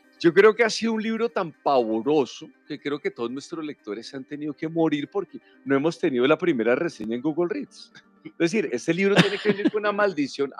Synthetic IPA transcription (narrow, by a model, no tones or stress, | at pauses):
d͡ʒo̞k̬ɾe̞oke̞asiðounliβɾo̞t̪ampaβo̞ɾo̞sokekɾe̞oke̞t̪o̞ð̞oznwe̞st̪ɾosle̞k̚t̪o̞ɾe̞sant̪e̞niðo̞ke̞mo̞ɾiɾpo̞ɾke̞ | no̞e̞mo̞st̪e̞niðo̞lapɾime̞ɾare̞se̞ɲaẽŋɡuɣolrit̪s | ezd̪es̬iɾe̞st̪e̞liβɾot̪jenekeβeniɾkounamald̪isjo̞n